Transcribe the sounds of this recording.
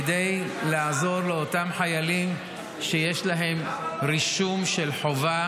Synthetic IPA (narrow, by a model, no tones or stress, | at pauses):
dejlaazo̞ʁleotamħajalim | ʃejeʃlaɦe̞mʁiʃumʃe̞lħo̞va